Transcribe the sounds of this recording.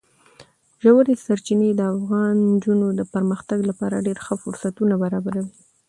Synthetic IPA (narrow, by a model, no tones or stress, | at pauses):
ʒawəɾesaɾt͡ʃined̪əafɣɑnd͡ʒunod̪əpəɾməxt̪aɡlapɑɾaɖeɾxəfʊɾsat̪unabaɾɑbaɾawi